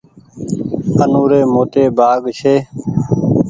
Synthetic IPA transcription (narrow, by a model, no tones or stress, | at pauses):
ənuːɾeːmoːʈ̪eːbʱaːɡʃeː